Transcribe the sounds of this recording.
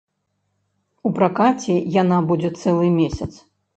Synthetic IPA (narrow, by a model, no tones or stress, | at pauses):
upɾakat͡sʲɛjanabud͡zʲɛt̪sɛlˠɨmʲesʲɐt̪s